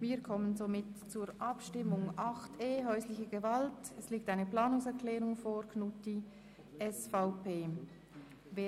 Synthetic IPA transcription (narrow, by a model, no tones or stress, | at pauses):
viːɾkʰɔmənzomɪtt͡suːɾʔɑpʃtɪmʊŋʔɑxtʰeːɦœʏslɪçəɡ̥əvaltɛsliːk̚taɪnəplaːnʊŋsɛɾkʰlɛːʁʊŋfoɾkʰnuti | ʔɛsfaʊpeː | veː